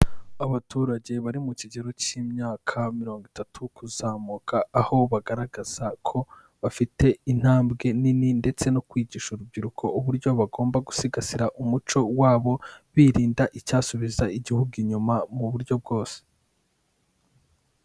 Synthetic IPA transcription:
aβatuːɾaɟe̞βaɾimuciɟe̞ɾo̞ciːmɲaːkʰamiɾo̞ːŋɡitatʰukuzaːmuːkʰaːho̞βaɡaɾaɡaz̥akʰo̞ | βafite̞in̥haːmbɡe̞nininde̞t͡se̞no̞kwiːɟiːʃuɾub̚ɟiɾukʰo̞uβuɾɟo̞βaɡo̞ːmbaɡu̥siɡasiɾaʔumut͡ʃo̞waːβo̞βiːɾiːndaʔicaːsuβizaiɟihuɡiɲumamuβuɾɟo̞b̚ɡo̞ːse̥

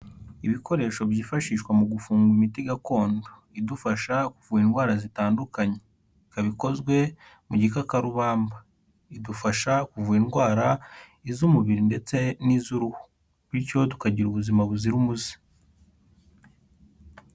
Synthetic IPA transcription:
iβiko̞ɾe̞ːʃoβjiːfaʃiːʃkwamuɡufuːŋɡuimitiɡako̞ːndo | idufaʃakuvuːinɡwaːɾazitaːndukaɲe | ikaβiko̞zɡwe̞ | muɟikakaɾuβaːmba | idufaʃakuvuːinɡwaːɾaizumuβiɾinde̞t͡se̞nizuɾuhu̥ | βwiɾco̞tu̥kaɟiɾuβuzimaβuziɾumuzi̥

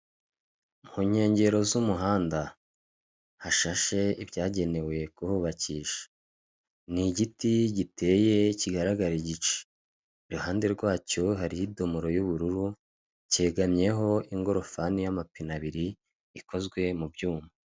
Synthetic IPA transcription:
mhuɲhe̞ːɲɟe̞ɾo̞zumuɦaːnda | haʃaʃe̞ibɟaːɟe̞ne̞we̞kuhuβaciːʃḁ | niɟitiɟite̞ːje̞ciɡaɾaɡaɾiɟit͡ʃe̥ | ɾuhaːnde̞ɾɡwaːt͡ʃuɦaɾijido̞moɾo̞juβuɾuɾu | ce̞ːɡamɲe̞ɦo̞iŋɡo̞ɾo̞fanijamapinaβiɾiː | ko̞zɡwe̞mubɟuːma

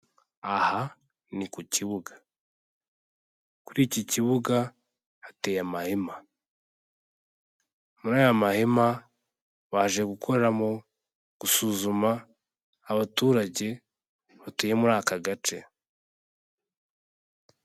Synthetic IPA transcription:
aha | nikuciβuɡḁ | kuɾiːciciβuɡa | hatejamahema | muɾaːjamahema | βaːʒe̞ɡukʰo̞ɾeɾamo̞ | ɡ̥usuːzumaː | βatuːɾaɟe̞ | βatejemuɾaːkaɡat͡ʃe̞

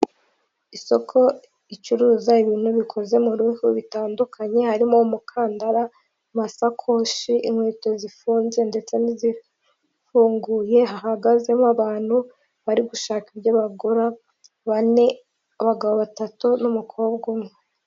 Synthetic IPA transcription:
iso̞kʰo̞ | it͡ʃuɾuːzaiβiːn̥huβikʰo̞ze̞muɾuhuβitaːndukʰaɲe̞haɾimo̞mukʰaːndaɾa | masakʰo̞ʃiʔimweːto̞zifuːnze̞nde̞t͡se̞nizi | fuːŋɡuːje̞ɦaɦaɡaze̞moaβaːn̥hu | βaɾiɡuʃaːkibɟaβaɡoɾa | βane̞ | aβaɡaβo̞βatatunumukʰo̞bɡumŋe

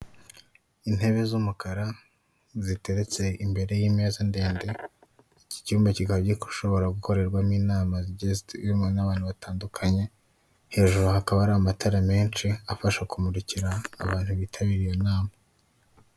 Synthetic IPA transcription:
in̥he̞βe̞zumukaɾa | zite̞ɾe̞t͡se̞imbe̞ɾe̞jime̞ːzande̞ːnde̞ | ici̥cuːmbecikaβɟiku̥ʃo̞βo̞ɾaɡuko̞ɾe̞ɾɡwamiːnaːmazɟestiɾimonaβaːn̥huβataːndukʰaɲe̞ | he̞ːʒuɾuhakaβaɾamatʰaɾame̞ːnt͡ʃiafaʃakumuɾiciɾaːβaːn̥huβiːtʰaβiɾijonaːma

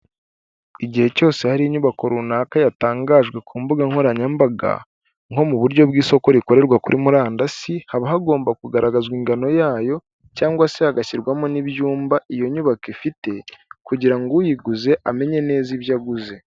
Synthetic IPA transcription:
iɟihe̞co̞ːse̞haɾiiɲuβako̞ɾunakajataːŋɡaːʒɡwe̞kʰuːmbuɡaŋ̥hoɾaɲambaɡa̰ | ŋ̥o̞muβuɾɟo̞bɡiːso̞ko̞ɾiko̞ɾe̞ɾɡwakuɾʔimuɾaːndasihaβaɦaɡo̞ːmbakuɡaɾaɡazɡwiŋɡano̞jaːjo̞ | caːŋɡwasehaɡaçiɾɡwamoniβjuːmbaʔijo̞ɲuβakifite̞kuɟiɾaŋɡujiɡuze̞ʔame̞ɲe̞ne̞ːziβjaɡuze̞

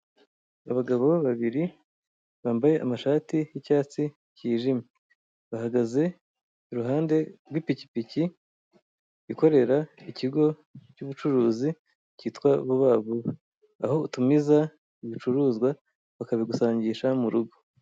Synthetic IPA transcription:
aβaɡaβo̞βaβiɾi | βaːmbaje̞ʔamaʃaːtijicaːt͡si | ciːʒime | βahaɡaze̞ | uɾuɦaːnde̞ɾwipici̥pici | iko̞ɾe̞ɾaiciɡo̞ | cuβut͡ʃuɾuːzi | ciːtwaβuβaːβo | a̰ho̞utumiza | iβit͡ʃuɾuːzɡwa | βakaβiɡusaːɲɟiʃamuɾuɡo

